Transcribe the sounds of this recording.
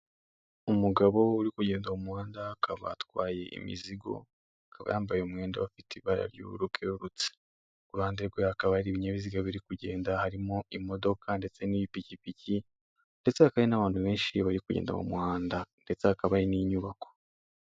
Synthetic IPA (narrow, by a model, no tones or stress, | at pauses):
umuɡaβo̞uɾikuɟe̞ːndaumuhaːndaakaβa̰twaːje̞ʔḭmḭziɡo̞̰ | akʰaβa̰jaːmbajeumŋe̞ːndawafitʰiβaɾa̰ɾjṵɾukʰeoɾut͡se̥ | ɡuɾhaːndeɡweakaβaɾiβiɲeβiziɡaβiɾikuɟeːndahaɾimoimo̞do̞kʰande̞t͡se̞niβipicipici | nde̞t͡seakajenaβaːntuβe̞ːnʃiβaɾikuɟḛːnda̰mṵmuhaːndande̞t͡seakaβaɾiniɲuβako̥